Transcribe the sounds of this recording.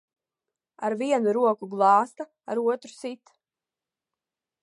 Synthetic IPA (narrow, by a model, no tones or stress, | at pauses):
a̰ɾviɛnuɾuɔkuɡlˠɑːst̪a | aɾuɔt̪ɾu̥sit̪